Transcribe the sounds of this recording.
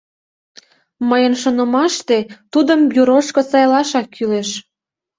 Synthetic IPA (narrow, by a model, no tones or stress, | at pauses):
məjənʃonə̆mɑʃt̪et̪ud̪əmbjuɾoʃkosɑjlɑʃɑkʰːyleʃ